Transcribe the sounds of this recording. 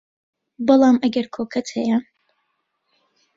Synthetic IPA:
bɨlˠɑːmɐɡɐɾkʰoːkʰɐt̪hɐja

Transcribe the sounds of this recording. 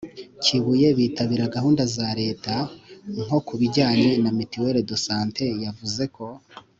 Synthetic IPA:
ciβuje̞βiːtaβiɾaɡahuːndazaɾe̞ːtaŋo̞kuβiɟaːɲe̞namitiweɾedo̞saːnte̞javuze̞kʰo̞

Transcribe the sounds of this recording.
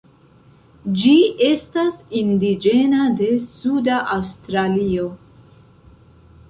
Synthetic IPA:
d͡ʒie̞stasindid͡ʒe̞nade̞sudaʔawstɾalio̞

